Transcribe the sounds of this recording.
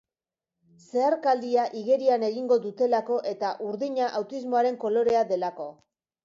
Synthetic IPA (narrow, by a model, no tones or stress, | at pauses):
se̞aɾkald̪iaʔiɣe̞ɾiane̞ɣiŋɡo̞ðut̪e̞lako̞ʔe̞t̪aʔuɾðiɲaʔawt̪izmo̞aɾe̞ŋko̞lo̞ɾe̞aðe̞lako̞